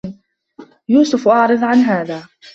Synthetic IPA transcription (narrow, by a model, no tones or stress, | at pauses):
juːsʊfʔɑʕɾˤɨðˤʕanɦaːðaː